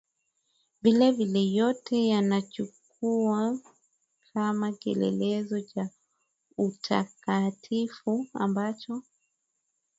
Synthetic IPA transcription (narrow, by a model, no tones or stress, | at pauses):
vilɛvilɛjɔtɛjanat͡ʃuk̚ | ua | kʰamakiɛ̰lɛ̰lɛzɔt͡ʃa | utʰa̰katʰifua̰mbat͡ʃɔ